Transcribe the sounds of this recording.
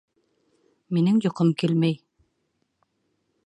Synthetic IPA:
minɘŋjŏqɤmkelmæj

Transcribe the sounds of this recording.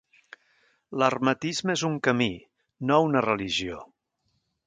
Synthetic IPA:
lərmət̪izməezuŋkəmi | nounərəliʒio

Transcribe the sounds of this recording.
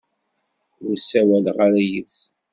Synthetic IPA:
ʊɾsæwælʁaɾæjət͡s

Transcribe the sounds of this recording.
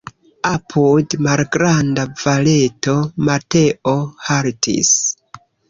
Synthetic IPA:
apʰudmalɡɾandavale̞to̞mate̞ʔohaɾtʰḭs

